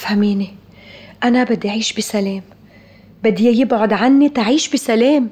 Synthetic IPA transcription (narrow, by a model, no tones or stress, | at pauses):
fhamiːni | ʔanabɪd̪ːiʔʕiːʃbisaleːm | bɪd̪ːijɪbʕʊd̪ʕanːit̪aʕiːʃbisaleːm